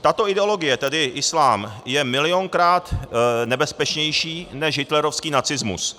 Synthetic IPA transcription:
t̪at̪o̞ʔɪdɛolo̞ɡɪjɛt̪ɛdɪʔɪslaːmjɛmɪlɪjo̞ŋkɾaːt̪nɛbɛspɛt͡ʃɲɛjʃiːnɛʃɦɪt̪lɛɾo̞fskiːnat͡sɪzmṵs

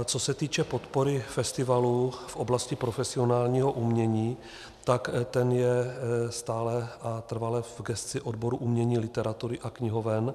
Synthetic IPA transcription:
t͡so̞sɛt̪iːt͡ʃɛpo̞t̪poɾɪfɛst̪ɪvalufʔoblascɪpɾo̞fɛsɪonaːlɲiːɦoʔumɲɛɲiː | t̪akt̪ɛnjɛst̪aːlɛʔat̪r̩valɛvɡɛst̪t͡sɪʔodboɾuʔumɲɛɲiːlɪt̪ɛɾat̪uɾɪʔakɲɪɦovɛn

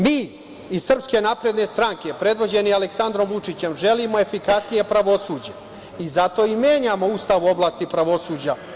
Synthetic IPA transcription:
miː | issr̩pske̞napɾed̪ne̞st̪ɾaŋke̞pɾe̞d̪ʋo̞d͡ʑe̞nialeksand̪ɾo̞mʋut͡ʂit͡ɕe̞mʒe̞limo̞e̞fikasnije̞pɾaʋo̞suːd͡ʑe̞ | izat̪o̞imjeːɲamo̞ust̪aʋuo̞blaːst̪ipɾaʋo̞suːd͡ʑa

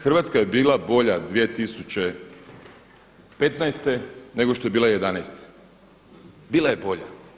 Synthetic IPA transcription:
xr̩ʋat̪skaje̞biːlˠabo̞ʎad̪ʋijet̪isut͡ɕe̞ | pe̞t̪najst̪e̞ne̞ɡoʃt̪o̞je̞biːlaje̞d̪anajst̪e̥ | biːlajebo̞ʎa̰

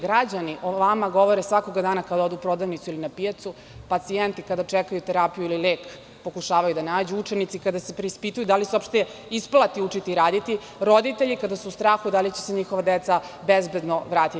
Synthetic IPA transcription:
ɡɾad͡ʑaniʔoʋamaɡo̞ʋoɾesʋako̞ɡad̪aːnakad̪ao̞d̪upɾo̞d̪aʋnit̪suilinapijat̪su | pat̪sient̪ikad̪at͡ʃɛkajut̪eɾapijuilileːk | po̞kuʃaːʋajud̪anaːd͡ʑuut͡ʃenit̪sikad̪asepɾeispit̪ujud̪aliseopʃt̪eisplˠat̪iut͡ʃit̪iɾaːd̪it̪i | ɾo̞d̪it̪eʎikad̪asuːst̪ɾaːxud̪alit͡ɕe̥seɲixoʋad̪et̪sabezbe̞d̪no̞ʋɾaːt̪i

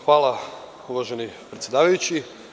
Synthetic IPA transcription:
xʋaːlˠa | uʋaʒenipɾet̪sjed̪aːʋajut͡ɕi

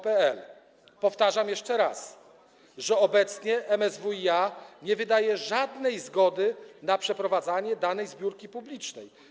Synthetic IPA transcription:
pɛɛl | pɔft̪aʐamjɛʂt͡ʂɛɾas | ʐɛɔbɛt̪sɲɛʔɛmɛzvuiaɲɛvɘd̪ajɛʐad̪nɛjzɡɔd̪ɘnapʂɛpɾɔvad̪zaɲɛd̪anɛjzbʲjuɾkʲipublʲit͡ʂnɛj

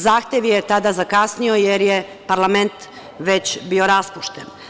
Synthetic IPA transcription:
zaːxt̪jeʋjet̪ad̪azakasnio̞jeɾje | paɾlame̞nt̪ | ʋe̞t͡ɕbio̞ɾaspuʃt̪en

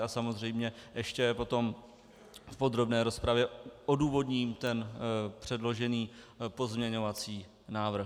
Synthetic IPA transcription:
asamo̞zr̝ɛjmɲɛʔɛʃcɛpo̞t̪o̞m | fpo̞d̪ɾo̞bnɛːɾo̞spɾavjɛo̞duːvo̞dɲiːmt̪ɛnpr̝̥ɛdlo̞ʒɛniːpo̞zmɲɛɲo̞vat͡siː | naːvr̩x

